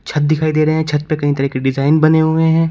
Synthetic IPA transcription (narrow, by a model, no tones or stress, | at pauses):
t͡ʃʰɐt̪̚d̪ɪkʰaːid̪eːɾɐɦẽɦɛ̃t͡ʃʰɐt̪̚pekɐɦĩt̪ɐɾɛkeɖɪzaːɪnbɐneɦʊeɦɛ̃ː